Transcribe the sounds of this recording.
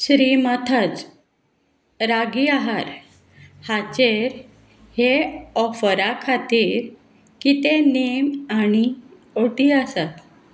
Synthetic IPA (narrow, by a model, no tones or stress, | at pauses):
sɾiːmat̪ʰat͡s | ɾaɡiaɦaɾ | hat͡ɕeɾ | heɔfəɾakʰat̪iːɾ | kit̪enemaɽ̃i | oʈiasat̪